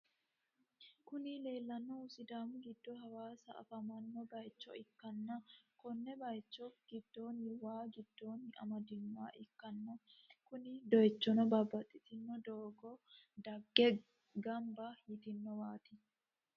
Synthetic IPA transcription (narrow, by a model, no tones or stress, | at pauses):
kʊnɪle̞ːlːɐnːɔʊsɪd̪aːmɡɪd̪ːɔɦɐwaːsɐʔɐ̰fɐmɐnːɔbɐjt͡ʃːɔɪkːɐnːɐkɔnːɛbɐjt͡ʃːɔɡ̥ɪd̪ːoːnɪwaːɡɪd̪̥ːoːnɐ̰mɐd̪ɪnːaːʔɪkːɐnːɐ | kʊnɪd̪ɔjt͡ʃːɔnɔbabːɐt̪ʼːɪt̪ɪnːɔd̪oːɡɔ | d̪ɐɡːɛ | ɡɐmbɐjɪt̪ɪnːɔwaːt̪ɪ